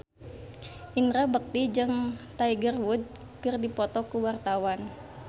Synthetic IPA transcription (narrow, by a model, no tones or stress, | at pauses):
ʔinɾabək̚t̪id͡ʒɨŋt̪aiɡərwud̪̚ | kɨrdipɔt̪ɔkuwart̪awan